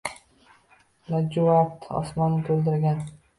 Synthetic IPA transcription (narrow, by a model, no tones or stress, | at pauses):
lad͡ʒuat̪ɒ̰smɒnːɪt̪ʰɵld̪ɪɾɡʲan